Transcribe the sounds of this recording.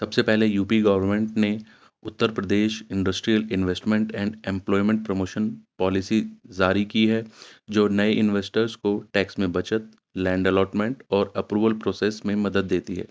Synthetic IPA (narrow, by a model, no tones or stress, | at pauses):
sɐbsepɛɦlejuːpiɡɐʋəɾmẽɳʈne | ʊt̪ːəɾpɾəd̪eːʃɪ̃ɳɖəsʈɾijəlɪ̃nʋesʈmẽɳʈɛ̃ːɳɖẽmplɔːɪmẽɳʈ̚pɾomoːʃənpɔːlɪsizaːɾikiɦɛd͡ʒoːnɐeʔɪnʋeːsʈəɾzkoʈɛːksmẽbɐt͡ʃət̪̚ | lɛ̃ːɳɖɛlɔːʈmẽɳʈɔːɾɐpɾuːʋəlpɾoːseːsmẽmɐd̪əd̪̚ːeːt̪iɦɛ̰ː